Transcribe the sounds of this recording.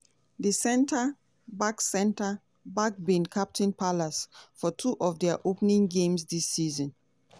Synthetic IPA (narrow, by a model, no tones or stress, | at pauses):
dəsɛ̃ntʰə | baksɛ̃ntə | bak̚bĩnkʰap̚tʰɪ̃npʰalasfɔtʰuʔɔfdɛaʔopnĩŋɡẽmsdisːizɔ̃n